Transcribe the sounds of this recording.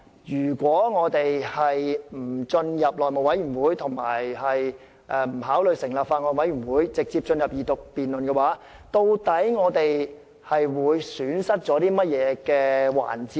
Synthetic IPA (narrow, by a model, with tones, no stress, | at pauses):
jyː˨˩kʷɔː˨˥ŋɔː˨˧t̪e˨jhɐ˨jm̩˨˩t͡sɵ˧njɐ˨p̚lɔː˨jmo˨˩wɐ˨˥jyː˨˩nwuː˨˥jt̪ʰʊ˨˩ŋma̰ː˨˩jhɐ˨j | ʔɛː˨˧m̩˨˩haː˨˥wlɵ˨ɥsɪ˨˩ŋlaː˨p̚faː˧nŋɔː˨˧wɐ˨˥jy˨˩nwuː˨˥jt͡sɪ˨k̚t͡siː˧p̚t͡ʃɵ˧njɐ˨p̚jiː˨˧t̪ʊ˨k̚piː˨nlɵ˨nkɛː˧waː˨˥t̪o˧wt̪ɐ˨˥jŋɔː˨˧t̪e˨j | hɐ˨jwuː˨˧jsyː˨˥nsɐ˥t̚t͡sɔː˨˥t̪iː˥mɐ˥t̚jɛː˨˧kɛː˧wa̰ː˨˩nt͡siː˧